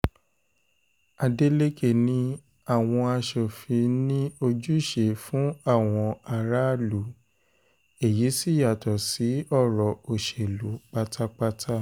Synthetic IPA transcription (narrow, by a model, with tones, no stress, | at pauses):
a˧de˦le˦ke˦˨nĩ˦ | a˦˨w̃ɔ̃˧a˧ʃo˨fi˧nĩ˦o˧d͡ʒu˦i˦˨ʃe˨fũ˨˦a˦˨w̃ɔ̃˧a˧ɾa˦lu˨˦ | e˨ji˨˦si˦˨ja˨tɔ˨si˨˦ɔ˦˨ɾɔ˨o˨ʃe˨lu˨˦k͡pa˦tʰa˦k͡pa˦tʰa˦